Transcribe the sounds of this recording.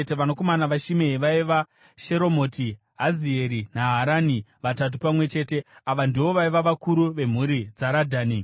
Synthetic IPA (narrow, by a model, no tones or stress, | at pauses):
teʋanoko̞manaʋaʃimeɦiʋaiʋa | ʃe̞ɾo̞mo̞ːti | ɦazie̞ɾinaɦaɾaniʋatat̬upamwe̞t͡ʃe̞ːte̞aʋandiwo̞ʋaiʋaʋakuɾuʋe̞m̤uɾid͡zaɾadʱaːni